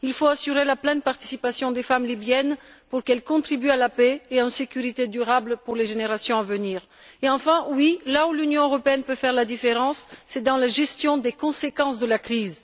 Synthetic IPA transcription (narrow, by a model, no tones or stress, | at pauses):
ilfoasyʁelaplɛ̃npaʁt̪i̥sipasjɔ̃d̪efamlibjɛnpuʁkɛlkɔ̃t̪χibyalapɛeansekʲyʁit̪ed̪yʁablpuʁleʒeneʁasjɔ̃avəniːʁ | eɑ̃fɛ̃wilaulynjɔ̃øʁɔpeɛnpøfɛʁlad̪ifeʁɑ̃sːɛd̪ɑ̃laʒɛst̪jɔ̃d̪ekɔ̃sekɑ̃sd̪əlakχiz